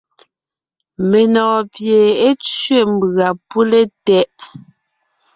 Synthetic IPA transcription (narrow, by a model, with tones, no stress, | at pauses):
me˨nɔː˨pje˨e˦t͡sɥe˦˨m˨bɣa˨pu˦le˦tɛ˦ʔ